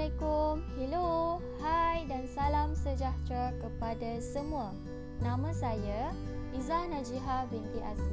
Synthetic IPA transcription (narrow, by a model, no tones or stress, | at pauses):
akumhilo | hajdansalamsəd͡ʒat̪ɾakəpadasəmũa | nãmãsaja | izanãd͡ʒiɦabeŋkiʔa̰za